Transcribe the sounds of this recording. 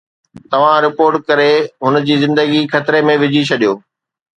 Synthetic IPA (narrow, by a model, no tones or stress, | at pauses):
t̪ɐʋ̤ãɾɪpoːɾʈ̚kɐɾeɦʊnəd͡ʑiːzɪ̃nd̪əɡikʰɐt̪ɪɾemẽʋɪd͡ʑʱit͡ɕʰɐɗijoː